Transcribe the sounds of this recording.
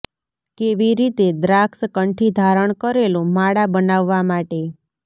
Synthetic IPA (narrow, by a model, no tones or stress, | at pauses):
keʋiɾit̪ed̪ɾakskəɳʈʰid̪ʱaɾəɳ̃kəɾelũmaɽabənaʋːamaʈe